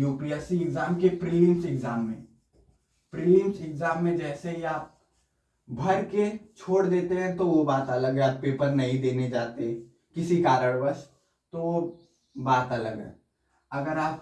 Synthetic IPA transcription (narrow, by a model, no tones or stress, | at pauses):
juːklijaːsiɪɡzaːmkepɾilɪ̃msɪɡzaːmːḛ̃ | pɾilɪmsɪɡzaːmːẽd͡ʒɛːseiaːp̚ | bʱɐɾket͡ʃʰoːɽd̪eːt̪eɦɛ̃t̪oʋobaːt̪ələɡɦɛ̃appeːpəɾnɐɦĩd̪eːned͡ʒaːt̪eɛ̃ | kɪsikaːɾəɽ̃bəs | t̪oʋo | baːt̪ɐləɡɦɛ̰ː | ɐɡəɾaːp̚